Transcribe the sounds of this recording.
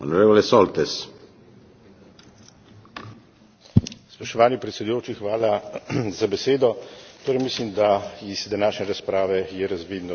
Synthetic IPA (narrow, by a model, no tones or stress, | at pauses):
onoɾeːvolesɔlt̪es | spɾɔʃt̪ɔʋaːnipɾɛt̪sɛd̪ujoːt͡ʃixʋaːlazabɛseːd̪ɔt̪oːɾɛjmislimd̪aizd̪anaːʃnʲɛɾaspɾaːʋɛjɛɾazʋiːd̪nɔ